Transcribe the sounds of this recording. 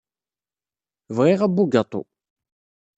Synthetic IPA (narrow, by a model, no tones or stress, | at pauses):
vʁiʁæbːuɡɑt̪ˤo̰